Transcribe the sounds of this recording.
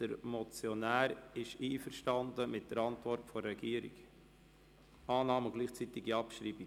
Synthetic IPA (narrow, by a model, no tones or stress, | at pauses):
d̥əɾmɔt͡sjonæːɾɪʃiːfəɾʃtɑnd̪əmɪt̚d̥əɾɑntvɔɾtfɔɾɛɡ̥iːəɾḭɡ | ɑːnɑːməɡ̥liːχt͡sit̪ɪɡiɑpʃɾiːbi